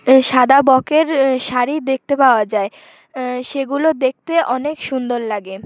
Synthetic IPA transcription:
ʃad̪ʱabɔkeɾʃaɾid̪ek̚t̪epaoad͡ʑae | ʃeɡulod̪ek̚t̪eʔɔnekʃund̪oɾlaɡe

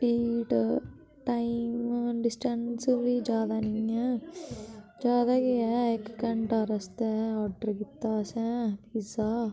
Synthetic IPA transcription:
piːʈ | ʈaːimmɖɪsʈənsbid͡ʒaːd̪aːnĩɛː | d͡ʒjaːd̪aːkiɛːekːɐɳʈaɾəst̪ɛɔːɾɖəɾkɪt̪ːaːsɛ̃ːt̪iːsaː

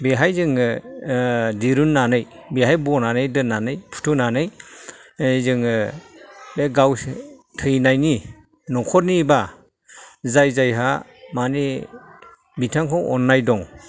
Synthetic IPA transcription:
beɦajzɯŋɯ | diɾunːanɯjbeɦajbɔnanɯjdɯnːanɯjpʰu̥tʰunanɯj | zɯŋɯ | beɡawtʰɯjnajni | nɔkʰɔt̚niba | zajzajɦamani | bitʰaŋkʰɔwɔnːajdɔŋ

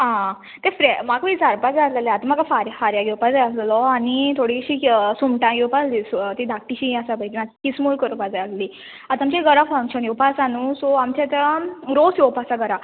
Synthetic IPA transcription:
ɦã | t̪ẽfɾemaɡʋit͡saɾpad͡zaslaleat̪əmaɡafaɾjfaɾjaɡewpad͡zaaslɔaɽit̪ʰoɽiɕiːsumʈãɡewpaslist̪id̪ʱak̚ʈiɕiasapaid͡ʑimakismulkəɾpad͡zaasli | at̪amt͡ɕeɡəɾafãŋɕənjowpasanusɔamt͡ɕat̪ɾosjopasaɡəɾa

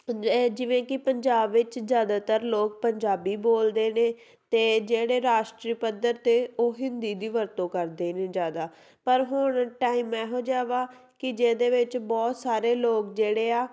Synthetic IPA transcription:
d͡ʒɪʋẽːkɪpəɲd͡ʒaːbʋɪt͡ʃzjaːd̪aːt̪əɾloːk̚pəɲd͡ʒaːbiːboːld̪eːnẽː | t̪eːd͡ʒeːɽeːɾaːʃʈɾiːpəd̪əɾt̪eːoːɦɪnd̪iːd̪iːʋəɾt̪õːkəɾd̪eːnẽːd͡ʒjaːd̪aː | pəɾɦʊɳʈaːiːmɛːɦoːd͡ʒaːʋaː | kɪd͡ʒeːd̪eːʋɪt͡ʃbɔːt̪saːɾeːloːkd͡ʒeːɽeːaː

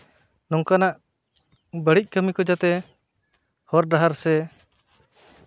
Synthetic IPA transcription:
nɔŋkanaʔ | bəɽic̚ˀkəmikɔd͡ʒat̪ɛ | hɔɾdaɦaɾsɛ

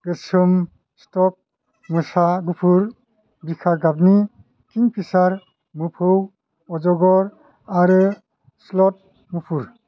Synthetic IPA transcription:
ɡ̥ɯsum | stɔk̚ | mɯsaɡupʰuɾ | bikʰaɾɡab̚ni | kʰiŋpʰisaɾ | mupʰɯw | ɔd͡ʒɔɡɔɾ | aɾɯ | slɔt̚ | mupʰuɾ

